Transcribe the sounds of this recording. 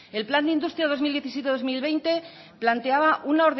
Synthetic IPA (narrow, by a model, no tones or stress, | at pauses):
e̞lpland̪eind̪ust̪ɾjaðo̞zmild̪jeθisje̞t̪eðo̞zmilβe̞jnt̪e̞ | plant̪e̞aβaʔunao̞ɾðe